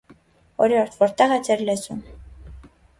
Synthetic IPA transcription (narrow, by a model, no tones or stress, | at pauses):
ɔɾjɔɾt̪ʰvɔɾt̪ɛʁɛt͡sʰɛɾlɛzum